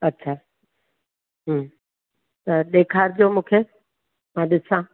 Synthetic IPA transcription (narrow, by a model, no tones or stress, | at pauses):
ɐtːɕʰaː | ɦ | t̪ɐɗeːkʰaːɾd͡ʑoːmũːkʰeː | mãːɗɪsãː